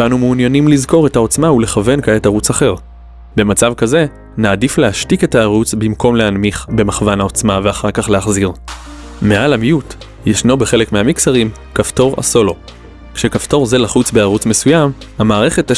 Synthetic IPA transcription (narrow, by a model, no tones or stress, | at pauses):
anumuːnjanimlizko̞ʁe̞thao̞t͡smaule̞χave̞nkaetaʁut͡saχe̞ʁ | be̞mat͡savkaze̞ | naːdiflehaʃtike̞taːʁut͡sbimko̞mle̞anmiχbe̞maχvanao̞t͡smaveaχaʁkaχle̞aχziʁ | me̞ʔalamijut | jeʃno̞be̞χe̞le̞kmehamiksaʁim | kafto̞ʁa̰so̞lo̞ | kʃe̞kafto̞ʁze̞laχut͡sbeaʁut͡sme̞sujamhamaːʁe̞χe̞ta